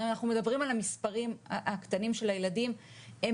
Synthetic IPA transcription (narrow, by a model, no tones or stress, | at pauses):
imanaχnume̞dabʁimalamispaʁimaʔakt̪animʃe̞lajeladim | e